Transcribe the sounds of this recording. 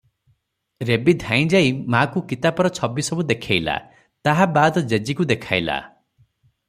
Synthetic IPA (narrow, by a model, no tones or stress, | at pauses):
ɾebid̪ʱãj̃d͡ʒajmakukit̪apɔɾɔt͡ʃʰɔbisɔbud̪ekʰajla̰ | t̪aɦabad̪ɔd͡ʒed͡ʒikud̪ekʰajla̰